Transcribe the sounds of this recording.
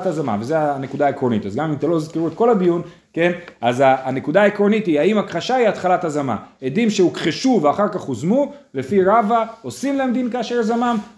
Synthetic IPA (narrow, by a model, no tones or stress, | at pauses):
tazama̰ve̞zeane̞kud̪aːekʁo̞nit̪azɡamimt̪elo̞izkeʁuet̪ko̞labijun | ke̞nazaːne̞kud̪aːekʁonit̪ihaimakχaʃaiat̪χalathazama̰ed̪imʃeukχeʃuveaχaʁkaχozmule̞fiʁavao̞simlaemd̪inkaːʃeʁzamam